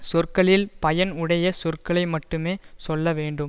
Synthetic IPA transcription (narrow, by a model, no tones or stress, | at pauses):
sɔrkɐɭɪlpɐjɐnʊɽɐjɐsɔrkɐɭɐɪmɐʈːɯmeːsɔlːɐʋeːɳɖɯm